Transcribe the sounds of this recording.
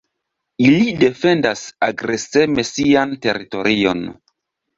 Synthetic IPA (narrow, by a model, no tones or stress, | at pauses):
ilide̞fe̞ndasaɡɾe̞se̞me̞siante̞ɾito̞ɾʔio̞̰n